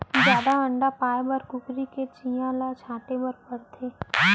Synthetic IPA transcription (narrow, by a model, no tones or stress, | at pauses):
zjaːd̪aə̃ɳɖapaːebɐɾkʊkɾiket͡ʃijãlat͡ʃʰãːʈebəɾpɐɾt̪ʰeː